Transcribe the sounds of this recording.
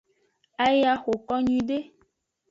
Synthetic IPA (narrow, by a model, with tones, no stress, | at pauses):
a˦ja˦xo˨kɔ˦ɲĩ˨ɖe˦